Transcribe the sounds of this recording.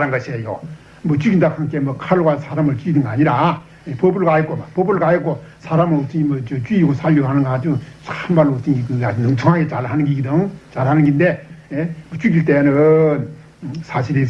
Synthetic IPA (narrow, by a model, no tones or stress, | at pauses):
aɾanɡʌɕʰiejo̰ | mʌt͡ɕwiɡindakʰaŋkemʌkʰaɾɯɭɡwasʰaɾamɯɭt͡ɕiɡid̪ɯŋɡaːɲiɾa | epobuɭɡajʌkomapobɯɭɡajɯk͈osʰaɾamɯɭotɯɲimʌt͡ɕɯt͡ɕwiiɡosʰaɭːoɦanɯŋɡat͡ɕɯɯanmalːoot͈ɯŋikɯanɯŋt͡sʰoŋɦaɡet͡ɕaɭɦanɯŋɡiɡid̪ɯŋt͡ɕalhanɯnŋɡindeemʌt͡ɕwiɡiɭt̪̬͈enɯn | sʰaɕʰiɾi